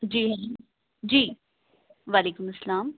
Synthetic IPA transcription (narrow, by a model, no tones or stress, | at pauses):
d͡ʒiːɦɛ | d͡ʒiː | ʋaːleːkʊmɐsːəlaːm